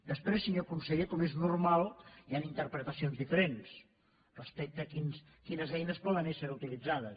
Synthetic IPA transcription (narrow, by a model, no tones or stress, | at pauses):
d̪əspɾesiɲokunsəɣekɔmeznurmalˠianint̪əɾpɾət̪əsionzðifəɾens | rəspɛk̚t̪əkins | kinəzɛjnəspɔðənesəɾut̪ilid͡zaðə